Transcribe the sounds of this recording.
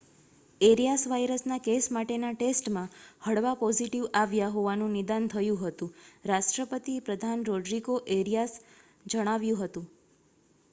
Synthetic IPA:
eɾijasʋajɾəsnakesmaʈenaʈesʈmãhəɽʋapɔziʈiʋaʋjaɦoʋanũnɪd̪ant̪ʰəjũɦət̪ũɾaʃʈɾəpət̪ipɾəd̪ʱanɾɔɖɾiɡoʔeɾijas | d͡ʒəɽ̃aʋjũɦət̪ũ

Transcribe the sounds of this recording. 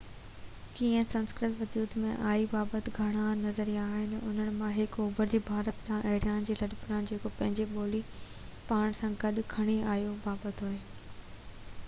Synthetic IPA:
kiːə̃sɐ̃nskɾɪt̪ʋɐd̪uːd̪mḛ̃ʔaːibaːbət̪ɡʱɐɽ̃anɐzəɾiaːɦɪnɪʊn̤əɽ̃̆mãɦɪkoːbəɾd͡ʑiːbʱaːɾət̪dãʔɐːɽjaːnd͡ʑiːlɐɗpʊɾaːn̆d͡ʑeːkopɐ̃ɦɪ̃ɲd͡ʑeɓoːli | paːɽ̃sãɡɐɗʊkʰɐɽ̃iaːjobaːbət̪ɦʊɦeː

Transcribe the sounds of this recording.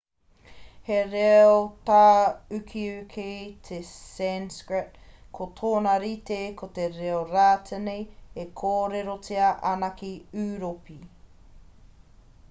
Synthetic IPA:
heɾeot̪aːʉkʰiʉkʰejtʰesɛnskɾet̚ | kʰotʰoːnɐɾit̪ekʰot̪eɾeoɾaːtʰenejekʰoːɾeɾot͡siɐʔanakiʉːɾopi

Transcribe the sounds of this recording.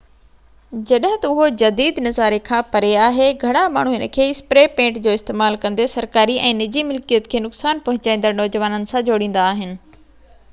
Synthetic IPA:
d͡ʑɐɗɦɪ̃t̪ɐʊɦod͡ʑɐd̪iːd̪nɐzaːɾekʰãpɐɾeaːɦeɡʱɐɽ̃ama̰ːɳ̤uɦɪnəkʰeːɪspɾeːpẽːʈd͡ʑoːɪst̪eːmaːlkɐ̃nd̪esɐɾkaːɾiʔɛ̃ːnɪd͡ʑimʊlkijət̪kʰeːnʊksaːnpɐ̃ɦʊ̃ɲt͡ɕaːĩːnd̪əɾnɔːd͡ʑʋaːnənɪ̆sãd͡ʑoːɽĩːn̆d̪aːɦɪnɪ̆

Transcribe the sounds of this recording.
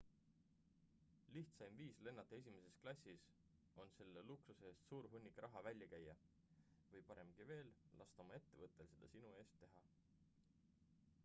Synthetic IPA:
liht̪sɑjmviːsle̞nːɑt̪ːˑees̬ʲime̞se̞sklɑsʲːis | o̞nse̞lːe̞luksuse̞ːst̪suːɾɦunʲːikɾʔɑɦɑvælʲjɑkæjːɑ | vɤjpɑɾe̞mɡ̥ive̞ːllʔɑst̪omɑe̞t̪ːe̞vɤt̪ːˑe̞lse̞d̪̥ɑsinue̞ːst̪ːe̞ɦɑ

